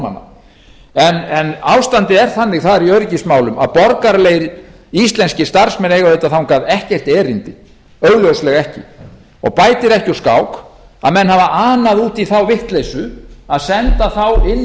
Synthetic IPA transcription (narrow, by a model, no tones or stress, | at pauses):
a̰nːa̰ | ɛnɛnawst̪ant̪ɪɛɾ̥θanːɪɣθaðɾiœɥɾɪcismaːwlʏma̰ðpɔɾkaɾleːjɾ | ist̪lɛnscɪst̪aɾ̥smɛnejɣavejt̪aθawnkʰvaːðɛhcɛr̥t̪ɛːɾɪnt̪ɪ | œɥɣlœwslɛɣɛhcɪ̰ | ɔ̰ɣpaːjt̪ɪɾɛhcɪɔskaːwk | a̰ðmɛnːhavaʔaːnaðuːt̪iθawvɪht̪lejsʏaðsɛnt̪aθawɪnː